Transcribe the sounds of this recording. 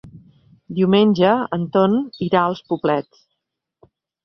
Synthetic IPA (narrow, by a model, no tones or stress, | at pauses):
d̪iwmenʲʒəənt̪oniɾaəlˠspublɛt͡s